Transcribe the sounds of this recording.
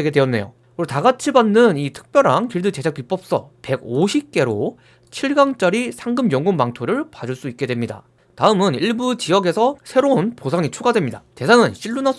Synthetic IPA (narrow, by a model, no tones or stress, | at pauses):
eɡedweʌnːe̞̰jo̰ | uetaɡat͡ɕʰibanːɯnitʰɯ̥k̚p͈jʌɾaŋkiɭdɯt͡ɕe̞d͡ʑʰak̚pip͈ʌp̚s͈ʌ̰pe̞ɡoɕʰip̚k͈e̞ɾo | t͡ɕʰiɭɡaŋt͡ɕ͈aɾisʰaŋɡɯmjʌŋɡuŋmaŋtʰoɾɯɭpad͡ʑuɭs͈uik͈̚e̞dwe̞mɲida̰ | taɯmɯniɭbut͡ɕiʌɡe̞sʰʌsʰe̞ɾounposʰaŋit͡ɕʰoɡadwe̞mɲidat͡ɕe̞sʰaŋɯnɕʰiɭːuna